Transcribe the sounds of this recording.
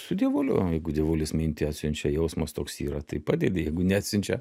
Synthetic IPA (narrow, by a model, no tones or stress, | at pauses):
sʊd̪ʲiɛʋoːlʲʊ̰jɛɪɡʊd̪ʲiɛʋoːlʲɪsmʲɪnʲt̪ʲɪɑːt̪ʲsʲɪnʲt͡ʃʲɛjɛʊsmɐst̪oːksiːɾɐt̪ɐɪpɑːd̪ʲed̪ʲɪjɛɪɡʊnʲɛæːt̪ʲsʲɪnʲt͡ʃʲɛ